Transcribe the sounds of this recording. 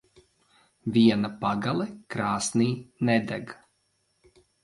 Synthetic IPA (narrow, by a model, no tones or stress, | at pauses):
vʲiɛnapaɡalˠɛkɾaːsniːnɛd̪ɛɡ